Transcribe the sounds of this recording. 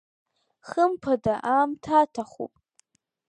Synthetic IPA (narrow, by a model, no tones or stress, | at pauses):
χəmpʰadaʔaːmtʰatʰaχṵpʼ